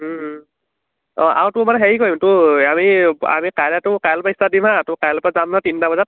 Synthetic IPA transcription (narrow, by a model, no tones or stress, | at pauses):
ɔ̃ʔa̰wtʊmanɛɦɛɹikoimtʊamia̰mikaɹatʊkajlpaistadimɦatʊkajlpazamnatintabɔzat̚